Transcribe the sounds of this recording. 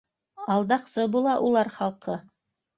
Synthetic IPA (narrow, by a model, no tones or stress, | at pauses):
ɑlˠd̪ɑqsɤbulˠɑʔulˠɑɾχɑlˠqɤ